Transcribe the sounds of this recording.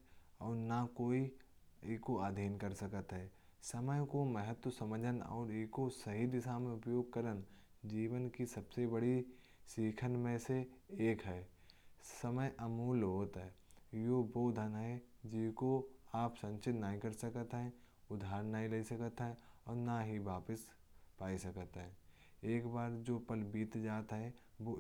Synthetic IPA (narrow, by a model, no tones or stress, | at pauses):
ɔːɾnakoːi | eːkoaːd̪ʱiːnkəɾsəkət̪ɦɛː | sɐməjkomɛɦət̪wəsɐməd͡ʒʱənɔ̰ːɾeːkosɐɦid̪ɪsamẽʊpjoːɡ̚kəɾən | d͡ʒiːʋənkisɐbsebɐɽi | siːkʰənmẽseeːkɦɛː | səməjʔɐmuːlɦoːt̪ɦɛːjoːboːd̪ʱənɦɛd͡ʒɪkoaːpsɐ̃nt͡ʃɪt̪naːɦikɐɾsəkət̪ɦɛ̃ʊd̪ʱaːɾnaɦileisɐkət̪ɦɛ̃ɔːɾnaɦiʋaːpəspaːisɐkət̪ɦɛ̃ː | eːkbaːɾd͡ʒoːpəlbiːt̪d͡ʒaːt̪ɦɛʋo